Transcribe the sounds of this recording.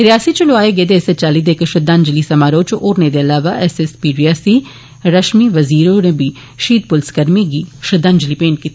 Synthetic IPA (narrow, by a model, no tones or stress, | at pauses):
ɾɪjaːsiːt͡ʃəlʊaːeːɡəeːd̪eːset͡ʃaːliːd̪eːkʃəd̪ãːɲd͡ʒliːsəmaːɾoːt͡ʃoːɾneːd̪eːəlaːʋaːʔɛsɛspiːɖiːaːsiː | ɾəʃmiːʋəziːɾoːnẽːbiː | ʃiːd̪̚pʊlskəɾmiːɡiːʃəd̪ãːɲd͡ʒliːpeːɳʈ̚kit̪ː